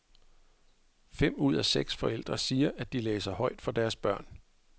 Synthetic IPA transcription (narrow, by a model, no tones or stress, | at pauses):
fem̰uð̞̰ˠæseɡ̥sfɒ̽el̰d̥ʁɐsiːɐʔæd̥ileːsɐhɒ̽ɪ̰d̥fɒ̽d̥æɐsb̥ɶɐ̰n